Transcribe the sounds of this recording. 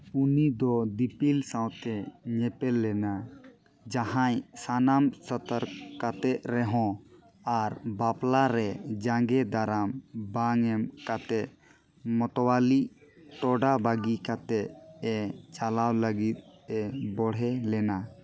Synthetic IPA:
unid̪ɔd̪ipilsawt̪ɛɲɛpɛlːɛna | d͡ʒaɦãɲsanamsət̪əɾkat̪ɛʔ̚ɾɛɦɔ̃ | aɾbaplaɾɛd͡ʒaŋɡɛd̪aɾambaŋɛmkat̪ɛt̪ | mɔt̪ɔwaliʔt̪ɔɖabaɡikat̪ɛʔɛt͡ʃalawləɡit̪̚ɛbɔɽ̤ɛlɛna

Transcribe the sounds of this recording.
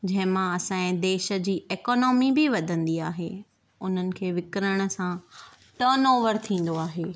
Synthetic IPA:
d͡ʑɐ̃ɦɪ̃mãɐsãẽd̪eːʃə̆d͡ʑiːʔeːkɔːnɔːmibɪʋɐd̪ʱə̃nd̪iaːɦeː | ʊn̤ənɪ̆kʰeːʋɪkɪɾəɽ̃ə̆sã | ʈəːnoːʋəɾt̪ʰĩːn̆d̪oaːɦeː

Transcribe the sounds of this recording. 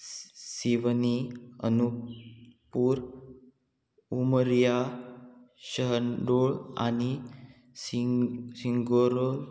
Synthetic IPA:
siʋniə̰nu | puːɾ | uməɾija | ɕəɦənɖoɭa̰ni | siŋɡoɾol

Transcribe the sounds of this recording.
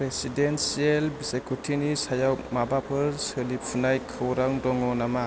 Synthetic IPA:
pɾesidensielbisekʰutʰinisajawmabapʰɯɾsɯlippʰunajkʰɯwɾaŋdɔŋɔnama

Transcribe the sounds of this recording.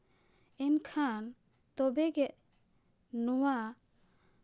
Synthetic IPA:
ɛnkʰan | t̪ɔbɛɡɛʔ̪̚ | nɔwa

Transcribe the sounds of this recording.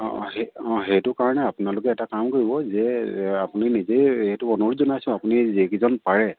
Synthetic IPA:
ɔ̰heɔ̃ɦejtʊkaɹɔnɛapʊnalʊk̬ɛːtakamkoɹibɔzɛapuninizejhetʊɔnuɹzɔnajsʊ̃apunizikizɔnpaɹɛ

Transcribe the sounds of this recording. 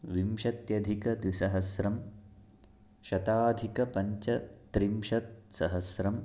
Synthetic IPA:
ʋimʃɐt̪jɐd̪ʱikɐd̪ʋisɐɦɐsɾɐm | ʃɐt̪aːd̪ʱikɐpɐɲt͡ʃɐt̪ɾimʃɐt̪̚sɐɦɐsɾɐm

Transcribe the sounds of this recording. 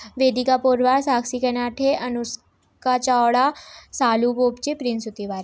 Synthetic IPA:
ʋeːd̪ikapoːɾʋaːɾsaːksikenaːʈʰeɐnus | kat͡ʃaːwɽasaːluboːpt͡ʃepɾinsut̪iʋaːɾe

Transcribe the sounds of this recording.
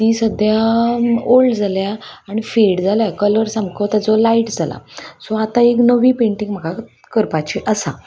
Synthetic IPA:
t̪iːsəd̪ʱja | olɖd͡zalja | aɽ̃ifilɽd͡zaljakələɾsamkʰət̪ad͡zolaiʈd͡zala̰sɔat̪aeknəʋiːpẽɳʈĩŋɡm̤əɡʱa | kəɾpat͡ɕeʔəsa̰

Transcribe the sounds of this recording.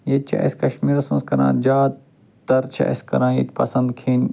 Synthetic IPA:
jet͡ʃʰɐ̰ʔɐ̰sʲkɐʃmiːɾɐsmɐnskɐɾã̰ːd͡ʒaːt̪ | d̪ɐɾt͡ʃʰɐ̰ʔɐ̰skɐ̰ɾãːjḛt̪ʲpɐ̰sɐ̃nd̪kʰiːn

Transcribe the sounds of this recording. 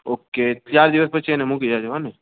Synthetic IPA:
oːket͡ʃaːɾd̪iʋəspət͡ʃenẽmũkid͡ʒaːd͡ʒɐʋanẽ

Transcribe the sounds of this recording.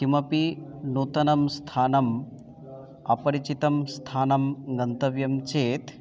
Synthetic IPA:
kimɐpinuːt̪ɐnɐmst̪ʰaːnɐm | ɐ̰pɐɾit͡ʃit̪ɐmst̪ʰaːnɐmɡɐnt̪ɐʋjɐmt͡ʃeːt̪

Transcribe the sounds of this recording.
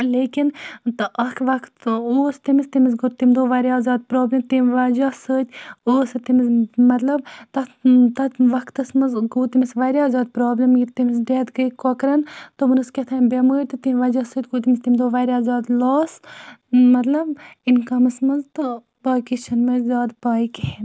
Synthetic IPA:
leːkint̪ɨʔɐkʰʋɐkʰt̪oːst̪imist̪imisɡuɾt̪imd̪oːʋaːɾʲjaːzaːd̪̚pɾoːblʲɐmt̪imʋaːd͡ʒasəːt̪ʲoːsɐt̪imismɐt̪lɐbt̪ɐt̪ɐt̪ʋɐkʰt̪ɐsmɐzɡuːt̪imisʋaːɾʲaːzaːd̪̚pɾoːblɐmɡit̪imisɖeːt̪ɡəikokɾɐnt̪obɨnɨsket̪ʰaːnbʲɐməːɾʲt̪ɨt̪imʋɐːd͡ʒaːsəːt̪̚ʲɡuːt̪imist̪imd̪oʋaːɾʲaːzʲaːd̪laːs | mɐt̪lɐbinkɐmɐsmɐzt̪ɨ | baːkit͡ʃʰɐnmɐzʲaːd̪paːikihen

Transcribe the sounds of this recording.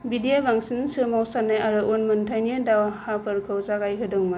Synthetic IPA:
bidijabaŋsinsɯmawsanːajaɾɯʔunmɯntʰajniadawahapʰɯɾkʰɯwzaɡajɦɯdɯŋmɯ

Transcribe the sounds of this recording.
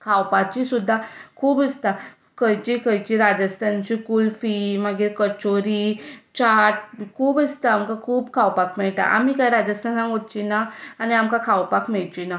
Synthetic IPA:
kʰawpat͡ɕisud̪ʱːakʰuːbist̪a | kəjt͡ɕikəjt͡ɕiɾad͡ʑəst̪ʰant͡ɕikulfiməɡiɾkət͡ɕoɾiːt͡ɕaʈ̚kʰuːbist̪aːmkakʰuːbkʰawpakmeɭʈ̪a̰ʔa̰m̤ikajɾad͡ʑəst̪ʰanãɦott͡ɕinaañiamkakʰawpakmeɭt͡ɕina

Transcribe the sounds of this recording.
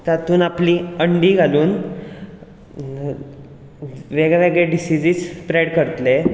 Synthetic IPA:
t̪at̪uːnapliːəɳɖiːɡʱaluːn | ʋeɡɭaʋeɡɭeɖisid͡ziːt͡spɾejɽkəɾt̪le

